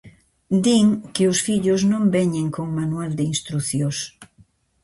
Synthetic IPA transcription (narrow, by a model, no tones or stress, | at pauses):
d̪iŋkeosfiʎoznõmbɛɲeŋkoŋmanwald̪einst̪ɾuθjos